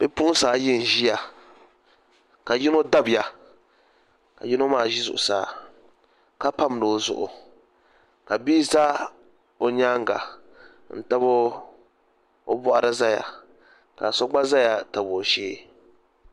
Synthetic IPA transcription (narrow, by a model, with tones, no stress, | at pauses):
b̥ɛ˦pʊ˦saː˨˦jɪ˦n˨ʒi˦ja˨ | ka˨ji˦no˦da˦bja˨ | ka˨ji˦no˦maː˦˨ʒi˦zʊ˨ʔʊ˨saː˨˦ | ka˦pa˦m˨do˨zʊ̰˨ʔʊ̰˨ | ka˨biː˦za˦ | o˨ɲa˦ŋɡa̰˨ | n̩˦ta˦bo˦ | o˦bɔ˦ʔa˦ɾa˦za˦ja̰˨ | ka̰˨sɔ˦ɡ͡ba˦za˦ja˨ta˨bo˨ʃeː˦